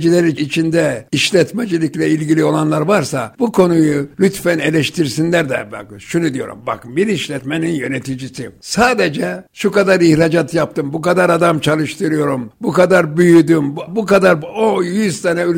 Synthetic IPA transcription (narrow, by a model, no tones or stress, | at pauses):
d͡ʒilʲɛɾiit͡ʃʰind̪ɛiʃlʲɛt̪mɛd͡ʒilʲˠiclʲɛilʲɟilʲio̞lˠanlˠaɾvaɾsabukʰo̞nujulʲyt̪fæne̞lʲɛʃt̪ʰiɾsinlʲæɾd̪ɛ̰ba̰kʃunud̪ijo̞̰ɾṵmba̰kbiɾiʃlʲɛt̪meninjø̞nɛt̪ʰid͡ʒisisaːd̪ed͡ʒɛʃukad̪aɾihɾad͡ʒat̪ʰjap̚t̪ɯmbukad̪aɾad̪amt͡ʃʰalˠɯʃt̪ʰɯɾɯjo̞ɾumbukad̪aɾbyjyd̪ymbukad̪aɾojyzt̪ʰanɛyl